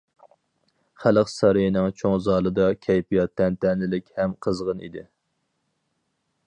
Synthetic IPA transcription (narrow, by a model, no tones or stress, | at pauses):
χæləqsɑɾijinɨŋt͡ʃʰoŋzɑːlˠɨd̪ɑkʲʰɛjpijɑt̪ːɛnt̪ɛnlɪlɪkʲhɛmqʰəzʁənḭd̪ɪ